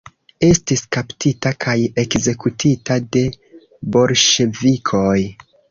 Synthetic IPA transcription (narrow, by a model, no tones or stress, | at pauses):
e̞stiskaptʰitakʰaje̞kze̞kutʰitade̞ | bo̞lʃe̞vikʰo̞j